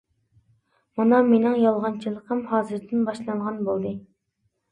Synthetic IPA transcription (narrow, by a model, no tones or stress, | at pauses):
mɑnɑmenɪŋjɑlˠʁɑnt͡ʃʰilˠəqʰəmhɑːzɨɾd̪ɪnbɑʃlˠɑɴʁɑnbolˠd̪ɨ